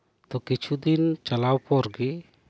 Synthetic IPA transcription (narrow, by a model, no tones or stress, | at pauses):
t̪ɔkit͡ʃʰud̪int͡ʃalawpɔɾɡi